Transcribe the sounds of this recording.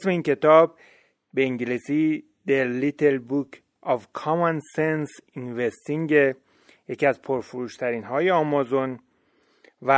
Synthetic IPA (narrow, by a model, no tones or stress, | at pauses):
sme̞iːncʰe̞t̪ʰɒːb̚ | be̞iŋɟilisiː | d̪eɾlit̪ʰelbukʰ | ɒvkʰɒmansensinvest̪iŋɟe | je̞ciæzpʰoɾfoɾuːʃt̪ʰæɾiːnɦɒːje̞ɒːmɒzon | væ